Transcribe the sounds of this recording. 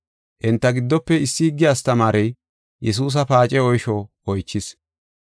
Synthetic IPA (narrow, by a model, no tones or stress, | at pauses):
ʔɪnt̪ːɐɡɪd̪ːɔpːɛɪsːɪhɪɡːɪjaːst̪ɐmaːɾɛj | jɛs̬uːs̬ɐpaːt͡ʃʼɛɔjʃɔ | ɔjt͡ʃːɪs